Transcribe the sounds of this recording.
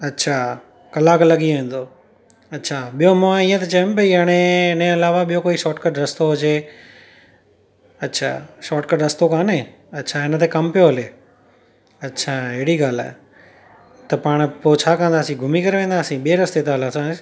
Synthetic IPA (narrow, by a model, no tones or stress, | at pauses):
ɐtːʃʰaː | kɐlaːklɐɠiʋẽːn̆d̪oː | ɐtːʃʰaːɓijomɐãiːə̃t̪̬ət͡ʃɐəmpɐiaɽ̃eɪnẽɐlaːʋaɓijokoːiʃɔːʈkəʈɾɐst̪oɦʊd͡ʒeː | ɐtːʃʰa̰ːʃɔːʈkəɖɾɐst̪okaːnẽːɐtːʃʰaːɪnət̪ʰeːkɐmpjoɦɐleː | ɐtːʃʰaːɪɦɽiɠaːla̰ːɦ | t̪ɐpaːɽ̃poːt͡ɕʰaːkãːnd̪aːsĩɡʱʊmikɐɾʋẽːnd̪aːsĩːɓeːɾɐst̪eːt̪aːlasãːɪ